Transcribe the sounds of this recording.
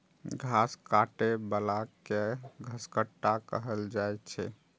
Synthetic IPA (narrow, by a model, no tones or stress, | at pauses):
ɡʱaskaʈebəlakeɡʱəskəʈːakə̰ɦəld͡ʒajt͡ʃʰɛ̰